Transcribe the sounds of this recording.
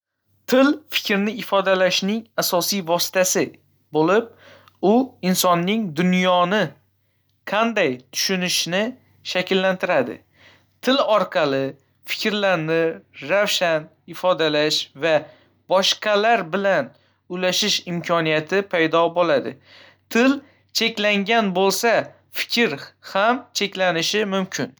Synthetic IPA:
t̪ʰɪlfɪ̥kʲɾnɪɪfɒd̪alaʃnɪŋasɒsijvɒsɪ̥t̪ʰasɪ | bolɪp̚ | ʊɪnsɒnːɪŋd̪ʊnjɒnɪ | qʰɑnd̪ajt̪ʰʊ̥ʃʊnɪʃnɪ | ʃakʲɪlːant̪ʰɪɾad̪ɪ̰ | t̪ʰɪlɒɾqʰɑlɪ | fɪ̥kʲʰɾlaɾnɪɾawʃan | ɪfɒd̪alaʃva | bɒʃqʰɑlaɾbɪlan | ʊjlaʃɪʃɪmkʲʰɒnijat̪ʰɪpʰajd̪ɒbolˠad̪ɪ̰ | t̪ʰɪl | t͡ʃʰe̞kʲlaŋɡʲanbolˠsa | fɪ̥kʲʰɾhamt͡ʃʰe̞kʲlanɪʃɪmʊmkʲʰɪn

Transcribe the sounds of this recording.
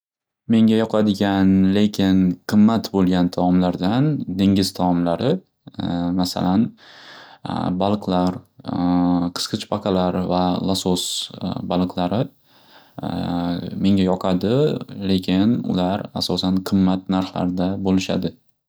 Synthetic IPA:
me̞ŋʲajɒqʰɑd̪ɪɡʲanle̞kʲʰɪnqʰɨmːat̪bolˠɡʲant̪ʰaɒmlaɾd̪and̪e̞ŋʲɪzt̪ʰaɒmlaɾɪ | masa̰lan | balˠqʰlaɾ | qʰɨ̥sqɨt͡ʃpʰaqʰɑlaɾvalˠasosbalˠɨqlˠaɾɪ | me̞ŋʲajɒqʰad̪ɪle̞kʲʰɪnʊ̰laɾa̰sɒsanqʰɨmːat̪̚naɾχla̰ɾd̪abolɪʃa̰d̪ɪ

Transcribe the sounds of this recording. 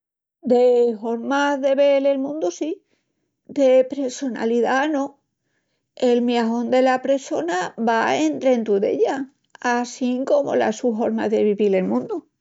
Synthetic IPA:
d̪e̞ɦo̞ɾmaðe̞βe̞le̞lmũnd̪usi | d̪e̞pɾe̞so̞na̰liðanõ̞ | e̞lmjaɦo̞nd̪e̞lapɾe̞so̞naβaent̪ɾent̪uðe̞̰ʎa | asiŋko̞mo̞̰la̰suɦo̞ɾma̰ɦðe̞β̞iβile̞lmũnd̪u

